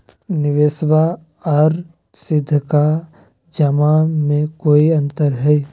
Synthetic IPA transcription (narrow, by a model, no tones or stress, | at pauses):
nɪʋeːsba | ɔːɾ | sɪd̪ʱːka | d͡ʒɐmamẽkoːiɐ̃nt̪əɾɦɛː